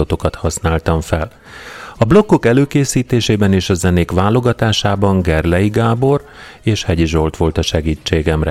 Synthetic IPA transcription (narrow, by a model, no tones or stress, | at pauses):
ot̪o̞kɒt̪hɒsnaːlt̪ɒɱfɛl | ɒblo̞kːo̞kɛløːkeːsiːt̪eːʃeːbɛneːʃɒzɛneːkʋaːlo̞ɡɒt̪aːʃaːbɒŋɡɛrlɛjiɡaːbo̞r | eːʃhɛɟiʒo̞lt̪ʋo̞lt̪ɒʃɛɡiːt͡ʃːeːɡɛmrɛ